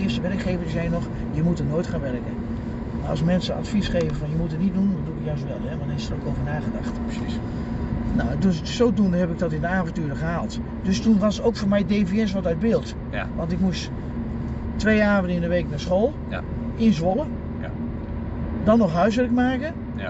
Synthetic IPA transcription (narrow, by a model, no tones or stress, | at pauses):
ɪstəʋɛrəkχeːvənzɛjnɔχ | jəmutənoːjtχaːnʋɛrkə̰ | maɑ̰smɛnsəɑ̰tfisχejvənvɑnjəmutətnit̚dundɔnduɪkjœɥsʋɛ̰lˠɛʋanɪstərokowvərnaːχədɑχt | nadøs | sowtundəɦɛpɪɡ̚dɔtɪndəaːvɔntyːrχəɦaːlˠt | d̥østunʋɑstowkfoːɹmɛjdejviɛns̬ʋɔtœɥd̚bɪːlˠt | ʋɑntɪkmus | tʋejaːvəndəɪndəʋejknaːsχoːlˠ | ʔɪnzʋolˠə | dɑnːɔχɦœɥsʋɪrəkmaːkə